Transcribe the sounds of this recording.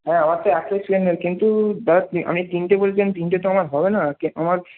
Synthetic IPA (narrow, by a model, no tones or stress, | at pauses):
ɦɛ̃amaɾt̪oɛkːesenɦɔekint̪ud͡ʒaɾaɔ̰nek̚d̪inʈebolet͡ɕʰend̪inʈet̪oamaɾɦɔbenakiʔa̰maɾ